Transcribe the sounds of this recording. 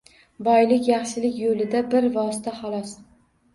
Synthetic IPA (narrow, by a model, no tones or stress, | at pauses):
bɒjlɪkʲjɑχʃɪlɪkʲjolɪd̪abɪɾvɒsɪt̪ʰaχɑlˠɒs